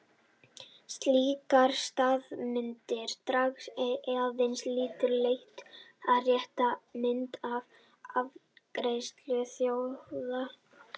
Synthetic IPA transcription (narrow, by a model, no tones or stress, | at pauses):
st̪liːkaɾ̥st̪aːðmɪnt̪ɪɾ̥t̪ɾaksɛðavɪnsliːt̪ɪɾlejht̪aðrjɛht̪amɪnt̪av | avkɾejst̪lʏθjowða